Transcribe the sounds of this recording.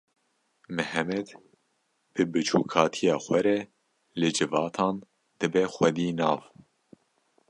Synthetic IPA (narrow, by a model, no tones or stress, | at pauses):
mɨhɛmɛd̪ | b̥ɨbɨt͡ʃʰṵːkʰɑːt̪ʰijɑːxʷɛɾɛ | lɨd͡ʒɨvɑːt̪ʰɑːn | d̪̥ɨbɛxʷɛd̪iːnɑːv